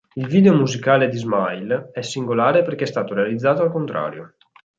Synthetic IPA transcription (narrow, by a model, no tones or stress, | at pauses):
ilviːd̪eomuzikaːled̪izmajlɛsːiŋɡolaːɾeperkɛst̪aːt̪oɾealid̪zːaːt̪oalkont̪ɾa̰ːɾjo